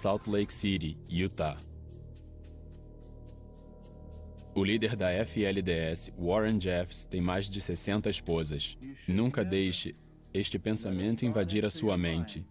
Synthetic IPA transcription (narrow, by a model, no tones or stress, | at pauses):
sawt̪lejksiɾiiut̪a | ʊlid̪eɾd̪ɐɛfɪɛlɪd̪eɛsɪ̥wɔɾẽd͡ʒɛfst̪ẽj̃majzd͡ʒɪsesẽnt̪ɐiʃpozɐʃnũŋkɐd̪ejʃɪ | eʃt͡ʃɪpẽsamẽnt̪ʊĩvad͡ʒiɾɐsuɐmẽnt͡ʃɪ